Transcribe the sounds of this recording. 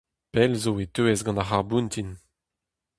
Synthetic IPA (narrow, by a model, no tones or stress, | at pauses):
pɛlzoet̪øɛzɡɑ̃nd̪aχaʁbũnt̪in